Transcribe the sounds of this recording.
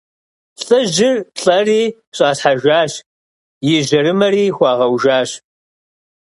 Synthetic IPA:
ɬʼɐʒɪrɬʼɐriː | ɕʼaːɬħaʒʷaːɕ | jɪʒɐɾɨmɐɾiːxʷɑːʁɐwʒaːɕ

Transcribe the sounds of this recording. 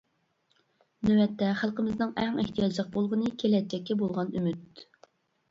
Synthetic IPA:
nøwɛt̪ʰːɛχælˠqəmɪznɨŋæŋḛht̪ʰijɑd͡ʒlˠəq̚bolˠʁənɨkʲʰelɛt̪̚t͡ʃʰːɛkʲːiɛbolˠʁɑnymyt̪̚

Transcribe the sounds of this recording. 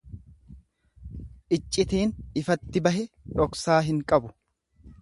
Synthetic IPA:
ʔɪt͡ʃʼːɪt̪iːnɪfɐt̪ːɪbɐhɛɾɔksaːɦɪŋkʼɐbʊ

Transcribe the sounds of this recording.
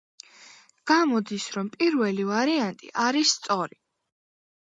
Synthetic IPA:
ɡ̥amɔd̪isɾɔmpʼiɾvɛlivaɾiant̪ʼḭʔaɾisːt̪sʼɔɾi

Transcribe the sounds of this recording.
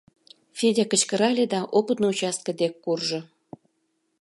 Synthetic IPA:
fʲedʲækə̆t͡ɕkəɾɑlʲed̪ɑʔopət̪nout͡ɕɑst̪̚kə̆d̪ekːurʒŏ

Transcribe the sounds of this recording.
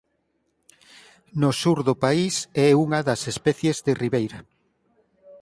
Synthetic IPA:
nosuɾðopaisɛuŋɐðɐsespɛθjezðeriβejɾɐ

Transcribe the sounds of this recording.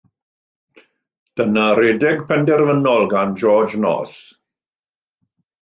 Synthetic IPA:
d̥ənareːdɛɡpʰɛndɛrvənɔlˠɡand͡ʒɔːd͡ʒnɔ̰ːs

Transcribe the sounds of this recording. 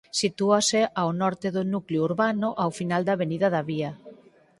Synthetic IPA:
sit̪uaseʔawnɔɾt̪eðonukleouɾβanʊʔawfinald̪aβeniðaðaβia

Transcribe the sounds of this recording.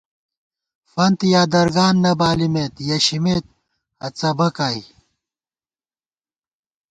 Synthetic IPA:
fɐnt̪ijaːd̪ɐɾɡaːnːɐbaːlimet̪jɐɕimet̪̚ | hɐt͡sɐbɐkaːj

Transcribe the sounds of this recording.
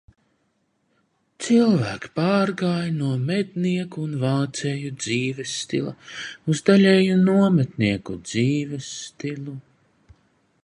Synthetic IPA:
t̪silˠvæːkpaːɾɡaːjnuɔmɛt̪̚niɛkuːnvaːt̪sɛjud̪z̥iːvɛsːt̪ḭlˠa̰uzd̪alʲɛːjunuɔmɛt̪niɛkud̪ziːvɛsːt̪ilˠu

